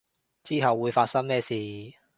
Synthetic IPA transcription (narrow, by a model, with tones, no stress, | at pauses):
t͡siː˥ɦɐ˨wːuː˨˧jfaː˧t̚sɐ˥ŋmɛː˥siː˨